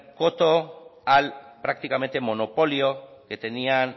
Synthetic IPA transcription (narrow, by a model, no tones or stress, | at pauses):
kot̪oalpɾak̚t̪ikame̞nt̪e̞mo̞no̞po̞ljoke̞t̪e̞nian